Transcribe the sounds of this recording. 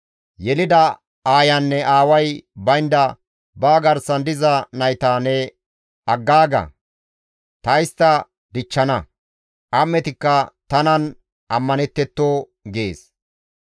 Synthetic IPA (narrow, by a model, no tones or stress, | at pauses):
jɛlɪd̪ɐ | aːjɐnːɛʔaːwɐjbɐjnd̪ɐ | baːɡɐɾsɐnd̪ɪzɐnɐjt̪aːnɛ | ɐɡːaːɡɐ̰ | t̪ɐjst̪ɐ | d̪ɪt͡ʃːɐnɐ | ʔɐmːɛt̪ɪkːɐt̪ɐnɐn | ʔɐmːɐnɛt̪ːɛt̪ːoː | ɡeːs